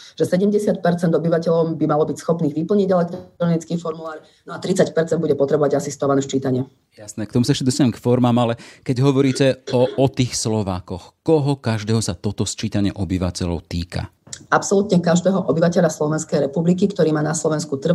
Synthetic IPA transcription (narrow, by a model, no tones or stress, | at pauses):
ʒ̥ɛsɛɟɛmɟɛsɪat̪̚pɛɾt͡sɛnd̪ɔbiʋacɛʎɔmbimalɔbicsxɔpniːɣʋipl̩ɲiɟɛlɛk̚t̪ɾɔnit͡skiːfɔɾmulaːɾ | nɔat̪ɾit͡sacpɛɾt͡sɛnd̪buɟɛpɔt̪ɾɛbɔʋaɟasist̪ɔʋanɛt͡ʃiːt̪aɲɪɛ | jasnɛːkt̪ɔmusaɛʃcɛd̪ɔst̪aɛmkfɔɾmaːmalɛkɛɟɦɔʋɔɾiːcɛɔɔt̪iːxslɔʋaːkɔxkɔɦɔkaʒd̪ɛːɦɔsat̪ɔt̪ɔst͡ʃiːt̪aɲɪɛʔɔbiʋacɛʎɔ̰ʊt̪iːka̰ | apsɔlut̪ɲɛkaʒd̪ɛːɦɔʔɔbiʋacɛʎaslɔʋɛnskɛjɾɛpublikikt̪ɔɾiːmaːnaslɔʋɛnskut̪r̩